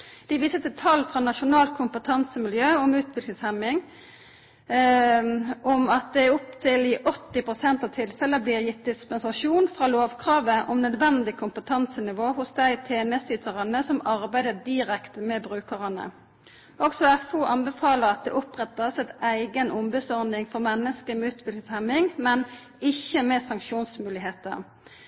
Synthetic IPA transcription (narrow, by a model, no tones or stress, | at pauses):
d̪̥ɪʋiːsət̪ɪt̪ʰɑlːfʁɑːnɑʃʊnɑːlt̪̚kʰʊmpət̪ʰɑnsəmɪljøːɔmʉːt̪ʋɪlklɪŋshɛmɪŋ | ʔɔmɑt̪̚d̪ɛæʊpt̪ʰɪlɪʔɔt̪ːɪpʁʊsɛnt̪ɑʋt̪ʰɪlfɛləbliːʁjɪt̪̚d̪ɪspɛnsɑʂuːnfʁɑːloːʋkʰʁɑːʋəʔɔmnœd̪ʋɛnd̪ɪkʰʊmpət̪ʰɑnsənɪʋoːhʊsd̪æɪt̪ʰeːɛnɛst̪ɪt̪ʰəʁɑnəsɔmɑʁbæɪd̪əd̪ɪʁɛkt̪əmɛbʁʉːkəʁənə̰ | ʔɔksɔɛfʊʔɑnbɛfɑːləʁɑt̪̚d̪ɛ̰ʔɔpʁɛt̪ːɑsɛɪt̪æɪɡənʔɔmbəsɔʁnɪŋfɔʁmɛnːəskəmɛʉːt̪ʰʋɪllɪshɛmɪŋmɛn | ɪçːəmɛsɑŋkʃuːnsmʉːlɪɦeːt̪ə̰ʁ